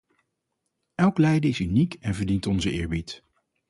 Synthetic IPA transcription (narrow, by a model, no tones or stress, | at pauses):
ʔɛlˠklɛjdəɪsynikɛnvəɹdintɔnzəʔɪ̰ːɹbit